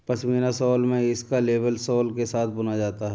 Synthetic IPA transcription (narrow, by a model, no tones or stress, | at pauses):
pɐsmiːnasɔːlmẽɪskaleːbəlsɔːlkesaːt̪̚ʰbʊnad͡ʒaːt̪aɦɛː